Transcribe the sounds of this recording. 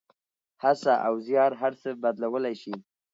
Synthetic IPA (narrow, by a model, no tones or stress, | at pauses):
hasaʔawzjɑɾɦaɾsəbad̪lawəlajʃi